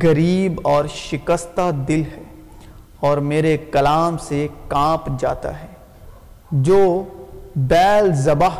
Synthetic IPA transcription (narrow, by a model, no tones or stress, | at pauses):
ɣɐɾiːbɔːɾʃɪkəst̪ad̪ɪlɦɛː | ɔːɾmeːɾekɐlaːmsekãːpd͡ʒa̰ːt̪a̰ɦɛː | d͡ʒoː | bɛːlzɐbaɦ